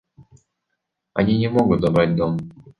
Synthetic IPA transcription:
ɐ̰nʲinʲɪmo̞ɡʊt̪̚d̪ɐbɾatʲd̪om

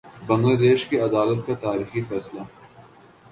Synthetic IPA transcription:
bɐ̃ŋɡlaːd̪eːʃkiɐd̪aːlət̪kat̪aːɾiːxifɛːsla

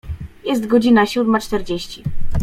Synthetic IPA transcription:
jɛst̪ɡɔd͡ʑinaɕud̪mat͡ʂt̪ɛɾd͡ʑeɕt͡ɕi

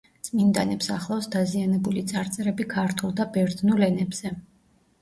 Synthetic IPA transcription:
t̪sʼmind̪anɛpsaχlˠafsd̪azianɛbulit̪sʼaɾt̪sʼɛɾɛbikʰaɾt̪ʰulˠd̪abɛɾd̪nulɛnɛbz̥ɛ

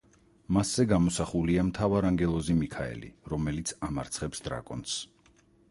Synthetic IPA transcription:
masːɛɡamɔsaχuliamt̪ʰavaɾaŋɡɛlˠɔzimikʰaɛ̰lḭɾɔmɛlit̪sʰamaɾt̪sʰχɛpsd̪ɾa̰kʼɔns

